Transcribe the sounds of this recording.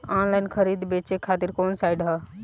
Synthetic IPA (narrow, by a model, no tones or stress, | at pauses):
ɔ̃nlajnkʰəɾid̪bet͡ʃekʰat̪iɾkoːnsajɖɦa